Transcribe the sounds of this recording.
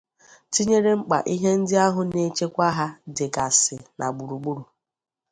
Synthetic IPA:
ti˦ɲe˦ɾe˦ŋ͡m̩˦k͡pa̰˨ʔi˦ɦe˦n̩˦dɪ˦a˦ɦʊ˨ne˦t͡ʃe˦kʷa˦ɦa˦dɪ˨ka˨sɪ˨nʔa̰˨ɡ͡bu˨ɾu˨ɡ͡bu˦ɾu˨

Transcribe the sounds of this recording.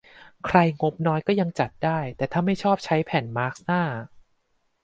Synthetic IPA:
kʰɾa˧jŋo˦˥p̚nɔː˦˥jkɔː˥˩ja˧ŋt͡ɕa˨˩t̪̚daː˥˩jt̪ɛː˨˩t̪ʰaː˥˩ma˥˩jt͡ɕʰɔː˥˩p̚t͡ɕʰa˦˥jpʰɛː˩˦nmaː˦˥k̚snaː˥˩

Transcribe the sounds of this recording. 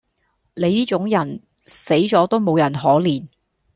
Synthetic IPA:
le˨˧jniː˥t͡sʊ˨˥ŋjɐ˨˩n | se˨˥jt͡sɔː˨˥t̪o˥wmo˨˧wjɐ˨˩nɦɔː˨˥liː˨˩n

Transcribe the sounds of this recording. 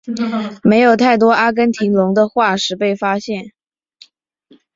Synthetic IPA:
me˧˥ɪjo˨˩ʊt̪ʰa˥˩ɪt̪̬wɔ˥ʔa˥k̬ə˥nt̪ʰi˧˥ŋlʊ˧˥ŋd̪ə˧xwa˥˩ʂɻ̩˥pe˥˩ɪfa˥ɕjɛ˥˩n

